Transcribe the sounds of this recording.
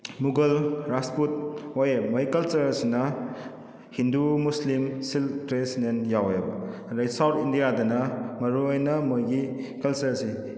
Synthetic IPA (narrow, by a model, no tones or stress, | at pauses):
muɡɐlɾasput̚ojemɔjikɐlt͡ʃɐɾsinɐ | hindumuslimsilpɾesidenjawjabɐɾajsawtindijadɐnɐmɐɾuɔjnɐmɯjɡi | kɐlsɐɾsi